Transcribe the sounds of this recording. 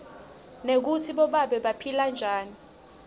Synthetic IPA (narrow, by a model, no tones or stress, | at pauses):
nek̬utʰiɓɔɓaɓɛɓapʰiland͡ʒʱaːni